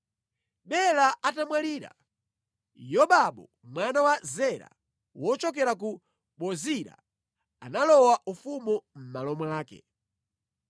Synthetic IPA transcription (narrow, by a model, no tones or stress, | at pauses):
ɓɛlaatamwaliːɾa̰ | jɔɓaɓɔ | mwanawazɛɾa̰ | wɔt͡ʃɔk̬ɛɾak̬u | ɓɔziɾa̰ | analɔwaʔufumɔm̩malɔmaːkɛ̰